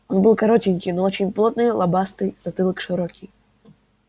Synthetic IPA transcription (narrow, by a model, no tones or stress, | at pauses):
ɔnbɨlˠkɐɾɔtʲinʲkʲijnɔɔt͡ʃʲinʲplˠɔt̪̚nɨjlˠɐbast̪ɨjz̥ɐt̪ɨlˠɪkʃɪɾɔkʲij